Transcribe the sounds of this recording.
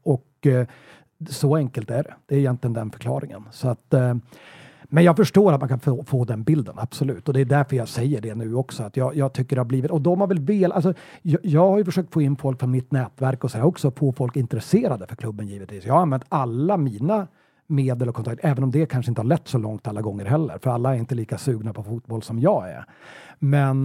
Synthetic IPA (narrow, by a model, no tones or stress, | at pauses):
ɔk | sɔɛŋkəlt̪æɖɛd̪̥ɛːɾɪjɛnt̪lɪənd̪ɛnfœ̥ɾkʰlɑ̰ːɾɪŋə̰nsɔat̪ | mɛnjɑːɡfœʂʈoːɾat̪mankʰanfofoːd̪ɛnbɪld̪əna̰b̥sɔlʉ̟ːt̪ɔd̪ɛd̪æɾfœɾjɑːɡsɛjːəɖɛnʉ̟ːɔksɔat̪jɑːjɑːɡt̪ʰʏkːəɖɛhaɾbliːvɪt̪ɔd̪ɔmhaɾvɛlveːlʔals̬ɔjɑjɑːɡhaɾjʏfœʂøːkt̪foːɪnːfɔlkfɔɾmɪt̪nɛːt̪væɾkɔsɔhæɾɔksɔfoːfɔlkɪnt̪əɾɛseːɾad̪əfœɾkʰlɵbːənjiːvət̪viːsjɑːhaanvɛnt̪alːamiːna | meːd̪əlɔkʰɔnʰakt̪ʰɛːvənɔmd̪ɛkʰanʂəɪnt̪əhaɾɭɛt̪ːsɔlɔŋt̪alːaɡɔŋːəɾɦɛlːə̰ɾfœɾalːaɛɾɪnt̪əliːkasʉːɡnapʰɔfuːt̪̚bɔlsɔmjɑːɡæ̰ɾ | mɛn